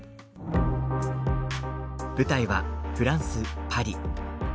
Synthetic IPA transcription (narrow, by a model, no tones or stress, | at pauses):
b̥ɯ̟t̪aiβaɸɯ̟ɾãɰ̃sɨpʰaɾʲi